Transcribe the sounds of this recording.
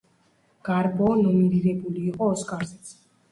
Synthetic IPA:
ɡ̥aɾbɔnɔminiɾɛbuliːqʼɔːskʼaɾzɛt̪sʰ

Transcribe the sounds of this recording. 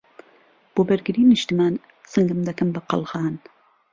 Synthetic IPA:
b̥oːbɨɾɡɨɾiːnɨʃt̪ɨmaːn | sɨŋɡɨmd̪ɐkɐmbɐqɑ̰lˠɣɑːn

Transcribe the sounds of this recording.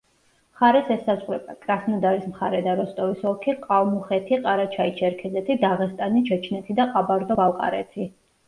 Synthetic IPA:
mχaɾɛsɛsazʁɾɛbakʼɾasnɔd̪aɾismχaɾɛd̪aɾɔst̪ʼɔvisɔkʰiqʼavmuχɛt̪ʰiqʼaɾat͡ʃʰait͡ʃʰɛɾkʰɛzɛt̪ʰid̪aʁɛst̪ʼanit͡ʃʰɛt͡ʃʰnɛt̪ʰid̪aqʼabaɾd̪ɔbalˠqʼa̰ɾɛ̰t̪ʰi

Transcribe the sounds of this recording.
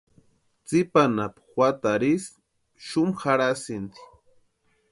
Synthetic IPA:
t͡sɪpanapxwat̪aɾis | ʃʊmχaɾasɪnt͡sɪ̥

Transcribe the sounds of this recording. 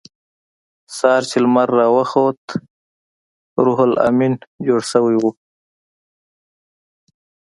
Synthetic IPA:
sɑːɾt͡ʃilmaɾːɑːwəxot̪ | ɾuɦula̰mind͡ʒoːɽsəwiwu

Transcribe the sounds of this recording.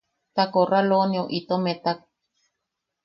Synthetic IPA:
t̪akoralonioʔit̪omet̪ak̚

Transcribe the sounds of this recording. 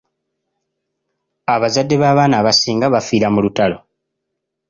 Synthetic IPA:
aβazadːe̞βaːβaːnaːβasiːŋɡaβafiːɾamulutalo̞

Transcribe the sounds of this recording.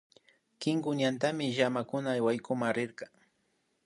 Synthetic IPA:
kɪŋkʊɲant̪amɪʒamakʊnaːjwajkʊmaŋɾɪɾkɑ

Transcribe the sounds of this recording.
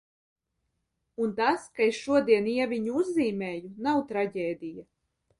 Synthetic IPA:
unt̪askaesʃuɔd̪iɛniɛvʲiɲuuzːiːmeːjunawt̪ɾaɟʲeːd̪ija

